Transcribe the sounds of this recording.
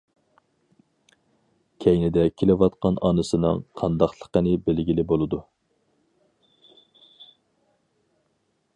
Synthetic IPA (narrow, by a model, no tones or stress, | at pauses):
kʲʰɛjnɪd̪ɛkʲʰelɪwɑt̪qɑnɑnɨsɨnɨ̰ŋqʰɑnd̪ɑχlˠə̥qənɪbɪlɡʲilɪbolˠɨd̪u